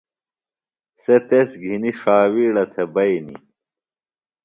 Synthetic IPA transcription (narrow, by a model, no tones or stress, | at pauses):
set̪esɡʱiniʂaːwiːɽɐt̪ʰebɐjnḭ